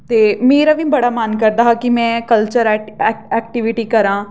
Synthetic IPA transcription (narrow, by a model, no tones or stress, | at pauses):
t̪eːmeːɾaːʋĩːbəɽaːmənkəɾd̪aːɦakimɛ̃ːkəlt͡ʃəɾɛɛːk̚ʈɪʋɪʈiːkəɾãː